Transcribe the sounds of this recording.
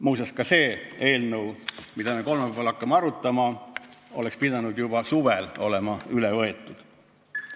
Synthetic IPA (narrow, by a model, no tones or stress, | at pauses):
muːsɑskɑse̞ːe̞ːlnəwmid̪̥ɑme̞ko̞lmepeɑlɑkːˑɑmeɑɾut̪ːˑɑmɑo̞lekspid̪̥ɑnud̪̥jub̥ɑsuvelo̞̰lemɑylevɤe̞t̪ːˑud̪̥